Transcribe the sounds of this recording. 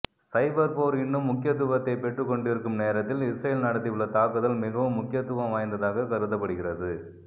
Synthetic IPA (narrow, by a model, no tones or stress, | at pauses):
sɐɪbɐɾpoːɾɪɳːɯmːʊkːɪjɐt̪ːʊbɐt̪ːɐɪpɛʈrɯkːɔɳɖɪɾɯkːɯmneːɾɐt̪ːɪlɪsɾɐjɪlnɐɽɐt̪ːɪɯɭːɐt̪aːkɯðɐlmɪɣɐʋɯmːʊkːɪjɐt̪ːʊʋɐ̃mʋaːjnd̪ɐðaːɣɐkɐɾɯðɐpːɐɽɯɣɪrɐðɯ